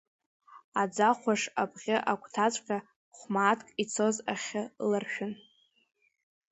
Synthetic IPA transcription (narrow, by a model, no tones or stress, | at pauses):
ad͡zaχʷaʂapʰʼʁʲɪʔakʷʰtʰat͡ʃʷʼqʲʼa | χʷmaːtʰkʼit͡sʰo̞zaχʲɪlarʃᶣʊn